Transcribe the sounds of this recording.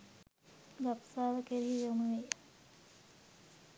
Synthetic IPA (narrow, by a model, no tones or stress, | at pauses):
ɡapsaːʋəkeɾiijonuʋej